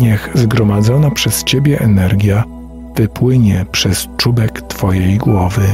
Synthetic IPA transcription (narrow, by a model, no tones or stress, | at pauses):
ɲɛxzɡɾɔmad̪zɔnapʂɛst͡ɕebʲjɛʔɛnɛɾɡʲja | v̥ɘpwɘɲɛpʂɛst͡ʂubɛkt̪fɔjejɡwɔvɘ